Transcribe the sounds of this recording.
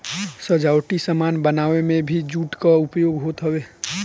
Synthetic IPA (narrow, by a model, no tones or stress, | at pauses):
səd͡ʒaːwʈisəmaːnbənaːʋemẽbʱid͡ʒuːʈkaʊpjoːɡɦoːt̪ɦəweː